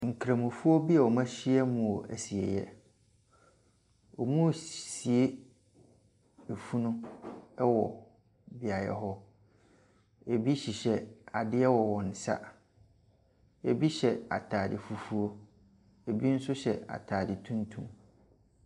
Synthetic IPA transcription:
ŋ̩˨kʰɾã˨mũ˨fu˦o˦bi˦ɛ˨ɔ˨mã˦ɕi˦ɛ˦mũ˨o˨ʔæ˨si˨ɛ˨jɛ̰˦ | ɔ˨mũ˦˨si˨e˦ | e˨fu˦nʊ̃˦ɛ˦wɔ˨ | bɪ˨a˨jɛ̰˨ɦɔ˦ | e˨bi˦ɕi˨ɕɛ˨a˨dɪ˦ɛ˦wɔ˨wɔ̃˨n̩˨sa̰˦ | e˨bi˦ɕɛ˨a̰˨tʰaː˨dɪ˨fu˨fu˦o˦ | e˨bi˦n̩˦sʊ˦ɕɛ˨a̰˨tʰaː˨dɪ˨tʰũ˦ntʰṵ̃˦m

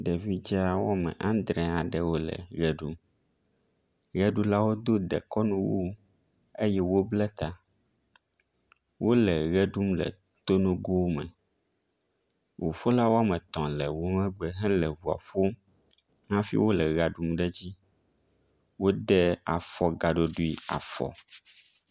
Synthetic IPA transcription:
ɖɛ˨vi˦d͡ʒi˦a˦˨wɔ˦mɛ̰̃˨ʔã˦nd̪ɾɛ̃˨a˨ɖɛ˦wo˦lɛ̰˨ɣɛ˨ɖu˦m | ɣɛ˦ɖu˦la˦wo˦d̪o˦d̪ɛ̰˨kɔ˦nũ˦wu˦ | e˦jɛ˦wo˦blɛ˦t̪a˨ | wʔo˦lɛ˨ɣɛ˦ɖu˦mlɛ̰˨ | t̪o˦nũ˦ɡo˦wmɛ̰̃˨ | wʔo˨ɸo˦la˦wo˦a˦mɛ̃˨t̪ɔ̃˨lɛ˨wo˦ŋɛ̃˦ɡ͡bɛ˨ɦɛ̃˦lɛ˨βu˨a̰˨ɸo˦ | ŋã˦fḭ˦wo˦lɛ˨ɣa˨ɖu˦mɖɛ˦d͡ʑi˦ | wo˦ɖɛ˦a˨fɔ˨ɡa˨ɖo˦ɖu˦i˦a̰˨fɔ̰˨

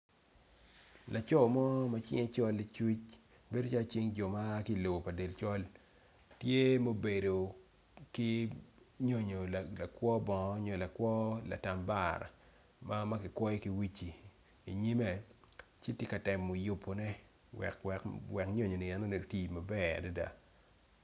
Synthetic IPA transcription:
lʔa˨t͡ʃɔ˦˨mɔ˦ma˦t͡ʃɪ̰˦ŋe˦t͡ʃɔ˦lːi˦t͡ʃwi˦t͡ʃ | be˦do˦t͡ʃa˦lo˦t͡ʃi˦ŋd͡ʒɔ˨ma˦ki˦˨lo˨ɡo˨pa˨de˨lt͡ʃɔ˦l | tje˦mo˦be˨do˨ | ki˦ | ɲo˦ɲo˨lla˨kwɔ˦bɔ˨ŋ˦ɲo˨la˨kwɔ˦la̰˨ta˨mba˦˨ɾa̰˨ | ma˦ma˦kɪ˨kwɔ˦jki˦wi˦t͡ʃi˨ | i˨ɲi˦me˨ | t͡ʃɪ˦tje˦ka˨tɛ˨mːo˨ju˨pːo˨nɛ˦ | wɛ̰˨kɛkwɛ˨kɲo˦ɲo˨ni˨ɛ˨no˦ne˨ti˨ma˨bɛ˦a̰˨da˦da̰˨

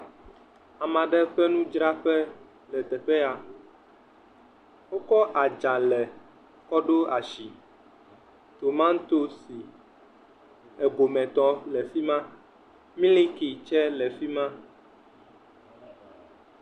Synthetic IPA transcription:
a˨mã˨ɖɛ˦ɸɛ˦nũ˦d͡ʒɾa˦ɸɛ˦ | lɛ˨t̪ɛ˨ɸɛ˦a˨ | wo˦kɔ˦ʔa˨d͡ʒã˨lɛ˨ | kɔ˦ɖo˦a˨ʃi˨ | t̪o˨mã˦n̩˦t̪o˦si˨ | ɛ˨ɡo˨mɛ̃˨t̪ɔ˦lɛ˨fi˦mã˦ | mĩ˦lĩ˦ki˨t͡ʃɛ˦lɛ˨fi˦mã˦

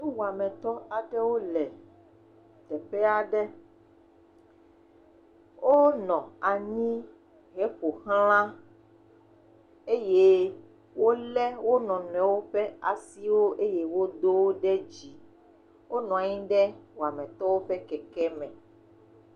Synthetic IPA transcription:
nũ˦wu˨a˨mɛ̃˨t̪ɔ˦a˨ɖɛ˦wo˦lɛ˨ | t̪ɛ˨ɸɛ˦a˨ɖɛ˦ | wo˦nɔ̃˨a˨ɲĩ˦ | ɦe˨˦ɸo˨hlã˦ | e˦je˦ | wo˦lɛ˦wo˦nɔ̃˨nɛ̃˨wo˦ɸɛ˦a˨si˦wo˦ʔe˦je˦wo˦d̪o˦wo˦ɖɛ˦d͡ʑi˨ | wo˦nɔ̃˨a˨ɲĩ˦ɖɛ˦wa˨mɛ̃˨t̪ɔ˦wo˦ɸɛ˦kɛ˨kɛ˦mɛ̃˨

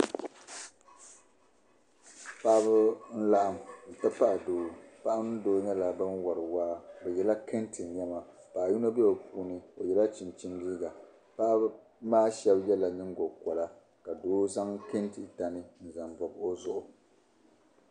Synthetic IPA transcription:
pa˦bɨ˦n̩˦la˦ʔa˦m̩˨ta˦pa˦ʔa˨doː˨pa˦ʔa˦nɨ˦doː˦ɲɛ˦la˨bɨ˦nwa˨ɾɨ˨waː˦bɛ˨jɛ˨la˦kɨ˦ntɨ˨ɲɛ˦ma˨ | paː˨ju˦no˦bɛ˦ba˨puː˦nɨ˨o˨jɛ˨la˦t͡ʃi˨nt͡ʃi˦ndiː˦ɡa˨ | pa˦b | maː˦ʃɛ˦bjɛ˦la˨nɨ˦ŋɡo˨kɔ˨la˦ | ka˨doː˦za˦ŋkɪ˦ntɨ˨ta˨nɨ˦n̩˨za˨mbɔ˨bo˦zʊ˦ʔʊ˨

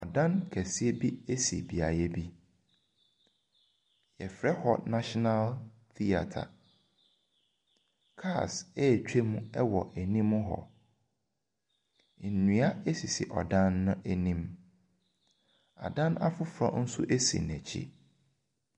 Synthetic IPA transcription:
ɔ˨dã˦nkʰæ˨si˦e˦bi˦e˦sḭ˨bi˨a˨jɛ˦bi˦ | jɛ˨fɾɛ˦hɔ˨nã˦ʃɔ˦na˦l | θi˦a̰˨tʰa̰˨ | kʰa˦˨sɛ˦˨t͡ɕᶣe˦mũ˦ɛ˦wɔ˨ʔæ˨nĩ˦mːʊ̃˦ɦɔ̰˨ | nũ˨a˦e˦si˨sḭ˨ʔɔ̰˨dã˦nːʊ̃˦ʔæ˨nĩ˦m | a̰˨dã˦na̰˦fʊ˦fɾa̰˦˨n̩˦sʊ̰˦ʔe˦sḭ˨n˨æ˨t͡ɕʰḭ˦

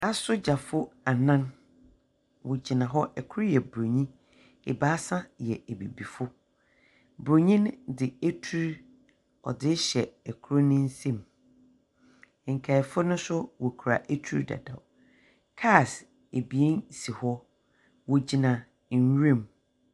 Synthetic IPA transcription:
a˦sʊ˦d͡ʑa˨fʊ˦a˨nã˦n | wɔ˨d͡ʑi˨nã˨ɦɔ˦ʔɛ˨kʰʊ˦ɾo˦jɛ˨bɾo˨ɲĩ˦ | ḛ˨ba˦sã˦jɛ˨e˨bḛ˨bi˨fʊ˦ | bɾo˨ɲĩ˦ndɪ˨e˦tʰu˦ɾ | ɔ̰˨dɪ˦ɕɛ˨ɛ˨kʰʊ˦ɾo˦nɪ̃˦n̩˦sẽ˦˨m˨ | ŋ̩˨kʰa˨fʊ˦nʊ̃˦sʊ˦wɔ˨kʰu˨ɾa̰˨ʔe˦tʰu˦ɾda̰˨da̰˨ | kʰa˦˨s | e˨bi˨e˦n˨si˨hɔ˦ | wɔ˨d͡ʑi˨nã˨ | n˦ɥẽ˦˨m

